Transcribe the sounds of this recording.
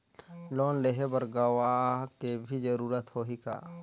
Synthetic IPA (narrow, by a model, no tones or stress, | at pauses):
loːnleɦebəɾɡawakebʱid͡ʒəɾuːɾət̪hoɦika̰ː